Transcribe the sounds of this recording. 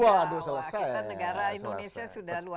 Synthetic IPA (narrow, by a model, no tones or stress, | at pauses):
adus̬əlasajanəɡaɾaindomesasudahlua